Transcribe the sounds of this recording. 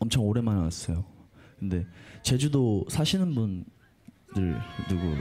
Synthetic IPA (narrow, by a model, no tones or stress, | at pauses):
ʌmt͡ɕʰʌŋoɾe̞manas͈ʌjokɯnde̞t͡ɕe̞d͡ʑudosʰaɕʰinɯnbun | dɯɭnuɡu